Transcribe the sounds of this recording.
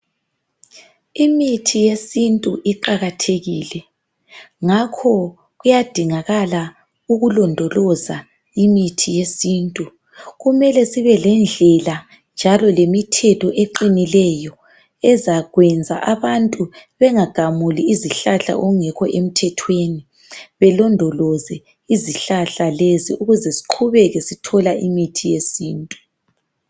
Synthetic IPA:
imitʰijesintʼuʔiǃaɣatʰeɣilɛ | ŋakʰɔ | ɣujad̥ʱiŋaɣala | uɣulɔndʱɔlɔza | imitʰijesintʼu | ɣumɛlɛsiβɛlɛnd͡ɮʱɛla | nd͡ʒʱalɔlemitʰɛtʰɔʔeǃinilɛjɔ | ɛzaɣwɛnd͡zʱa̰ʔaβantʼuβɛŋaɡ̥ʱamuliːziɬaɬa̰ʔɔɣuŋɛkʰɔ̰ʔem̩tʰɛtʰweni | βɛlɔndʱɔlɔzɛ | iziɬaɬaleziuɣuzɛsi̥ǃʰuβɛɣɛsitʰɔlaʔimitʰijesiːntʼu

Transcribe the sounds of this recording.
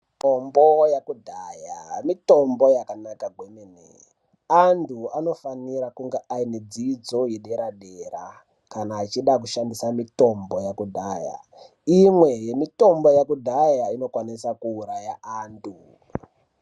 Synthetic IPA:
tombojakudʱajamito̞mbo̞jakanakaɡʱwemene | antʰuano̞faniɾakuŋɡeʔained͡zid͡zo̞jeɗeɾaɗera | kanaːt͡ʃiɗak̬uʃandisamito̞mbo̞jakudʱaːja̰ | imwe̞je̞mito̞mbo̞jakudʱajaino̞kwanisakuːɾajaaːntʰu

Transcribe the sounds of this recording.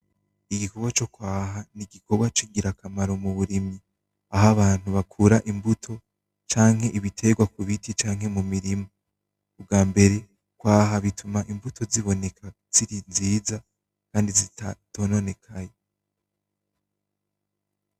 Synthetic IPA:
iɡiko̞ɡwat͡ʃo̞kwaːɦaniɡiko̞ɡwat͡ʃiɡiɾakamaɾo̞muβuɾimɲi | aɦaβaːn̥huβakʰuɾaʔimbutʰo̞ | t͡ʃaːŋɦhe̞ʔiβitʰe̞ɡwakuβitʰit͡ʃaːŋɦe̞mumiɾimo | ub̚ɡaːmbe̞ɾe̞ | kwaːɦaβitumaʔimbutʰo̞ziβo̞ne̞kʰa | z̥iɾinziːza | kaːndizitʰo̞no̞ne̞kʰaje

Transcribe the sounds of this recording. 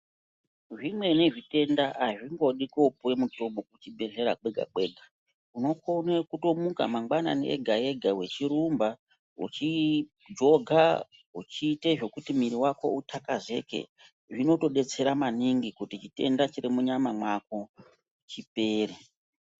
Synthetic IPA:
ʐimwe̞ne̞ʐite̞ndaaʐiŋɡo̞ɗiko̞puwe̞muto̞mbokut͡ʃibʱe̞ɮe̞ɾa̰k͡pe̞ɡʱa̰ɓe̞ːɡʱa | uno̞konwekuto̞muka̰maŋwana̰nḛʔḛɡʱaje̞ɡʱawe̞t͡ʃiɾumba | ṵt͡ʃi | d͡ʒo̞ɡʱa | ṵt͡ʃiːte̞ʐo̞kutimiɾiwako̞̰ʔutʰakaze̞ke̞̰ | ʐino̞to̞ɗe̞t͡se̞ɾamaniŋɡikutit͡ʃite̞̰ndat͡ʃiɾimuɲamamwak̚o̞ | t͡ʃipe̞ːre

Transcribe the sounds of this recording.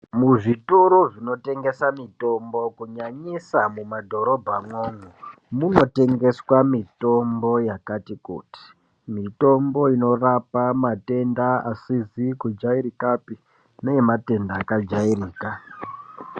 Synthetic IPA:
muʐituɾuʐino̞te̞ŋɡe̞samito̞mbo̞kuɲaɲisamumadʱo̞ɾo̞bʱamwoːŋɡo | muno̞te̞ŋɡe̞swamito̞mbo̞jakatikṵːti̥ | mito̞mbo̞ino̞rapamate̞ndaasizikud͡ʒaiɾikapi | nejemate̞ndaːkad͡ʒairiːka

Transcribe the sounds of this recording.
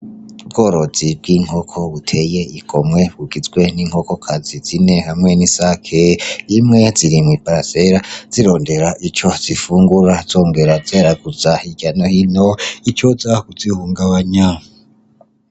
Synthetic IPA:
b̚ɡo̞ːɾo̞zib̚ɡwiːŋ̥ho̞kʰo̞βutʰe̞je̞iɡʰo̞mŋe̞βuɡizɡwe̞niŋho̞ko̞kʰazizine̞hamŋe̞nisakʰejimŋe̞ziɾimŋwipaɾaseɾaz̥iɾo̞ːnde̞ɾaʔit͡ʃo̞z̥ifuːŋɡuɾaz̥o̞ːŋɡe̞ɾazeːɾaɡuzahiɟanohinoit͡ʃozakuzihuːŋɡaβaɲa

